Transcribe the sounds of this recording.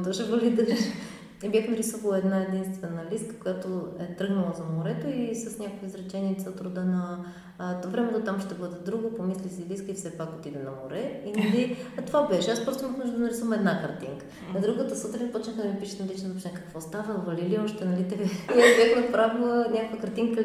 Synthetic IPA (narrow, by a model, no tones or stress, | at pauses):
d̪oʒɛvɐlid̪ɐʃ | ɛbʲjaxnɐɾisuvlˠəɛd̪naɛd̪inst̪vɛnəliskə̥kʊjat̪oɛt̪ɾɤɡnəlˠəzɐmoɾɛt̪oisɐsnʲakoiizɾɛt͡ʃɛniɛt̪sət̪ɾud̪ənə | t̪vɾɛmɛt̪ot̪amʃt̪ɛbɤd̪ɛd̪ɾuɡopomislisiliskəifsɛpakot̪id̪ɛnɐ̰moɾɛinɐlit̪ovabɛʃɛaspɾosiməxmɔʒd̪od̪nɐɾisuvɐmɛd̪nakɐɾt̪iŋkə̥ | nɐd̪ɾuɡət̪əsot̪ɾnipɔt͡ʃnɛxəd̪ɐmipiʃɛ̥t̪nɐlit͡ʃnpot͡ʃ̪nɛkɐ̥kvɔst̪avəvɐliliɔʃt̪ɛnɐlit̪ɛvabjaxnɐpɾavlˠənʲakvəkɐɾt̪iŋkə